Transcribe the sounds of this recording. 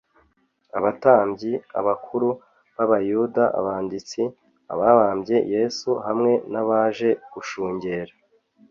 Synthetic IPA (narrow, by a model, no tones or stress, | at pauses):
aβataːmbɟia̰βakʰuɾu | βaβajudaʔa̰βaːndit͡si | a̰βaβaːmbje̞je̞ːsuhamŋe̞naβaːʒe̞ɡ̥uʃuːɲɟe̞ːɾa